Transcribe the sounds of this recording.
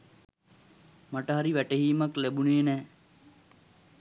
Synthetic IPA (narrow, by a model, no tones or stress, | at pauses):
maʈəɦaɾiʋæʈeɦiːmɐklebuneːnɛː